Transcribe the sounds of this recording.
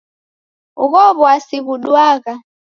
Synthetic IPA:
ukɔβɔasiβuɗwaːka

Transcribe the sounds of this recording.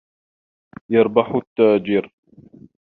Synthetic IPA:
jɑɾˤbɑħʊt̪ːaːd͡ʒiːɾ

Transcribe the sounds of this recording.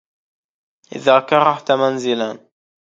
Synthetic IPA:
ʔɪ̰ðaːkaɾˤɑħt̪amanzɪlan

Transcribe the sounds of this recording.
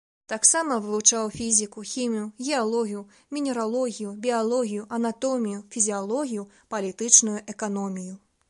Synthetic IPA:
t̪aksamɐvɨvˠut͡ʂawfʲizʲikuxʲimʲijuɣʲɛalˠɔɣʲiju | mʲinʲɛɾalˠɔɣʲijubʲialˠɔɣʲijuʔɐnat̪ɔmʲijufʲizʲialˠɔɣʲiju | pɐlʲit̪ɨt͡ʂnujuʔɛkanɔmʲiju

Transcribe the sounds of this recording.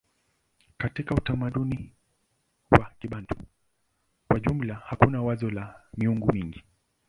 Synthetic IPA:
katikautamaɗuni | wakiɓandu | kwaʄum̩lahakunawazɔlamiuŋɡumiŋɡi

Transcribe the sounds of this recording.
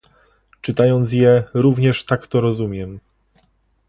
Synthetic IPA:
t͡ʂɘt̪ajɔnt̪sjɛɾuvɲɛʂt̪akt̪ɔɾɔzumʲjɛm

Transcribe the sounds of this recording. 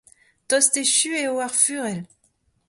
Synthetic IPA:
t̪ɔst̪eʃyeoaʁfyʁɛl

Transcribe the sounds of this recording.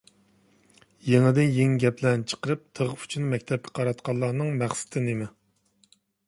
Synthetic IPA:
jeŋɪd̪ɪnjeŋɡʲɛplɛnt͡ʃʰə̥qəɾɨp̚t̪ʰəʁəpy̥t͡ʃʰynmɛk̚ʲt̪ʰɛp̚kʲʰɪ̥qʰɑɾɑt̪qʰɑlˠːɑːnɨŋmæχsɪ̥t̪ʰɪnemɪ

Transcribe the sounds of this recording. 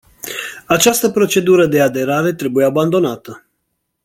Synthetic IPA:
at͡ʃast̪əpɾo̞t͡ʃe̞d̪uɾəd̪e̞ad̪e̞ɾaɾe̞t̪ɾe̞bujeaband̪o̞nat̪ə

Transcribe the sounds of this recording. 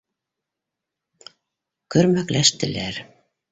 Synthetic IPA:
kɵ̆ɾmæklæʃt̪ɘ̆læɾ

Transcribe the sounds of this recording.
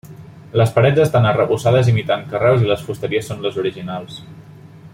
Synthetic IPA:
ləspəɾɛdd͡zəst̪anərəβusað̞əzimit̪aŋkərɛwziləsfust̪əɾiəsːonləzuɾiʒinalˠs

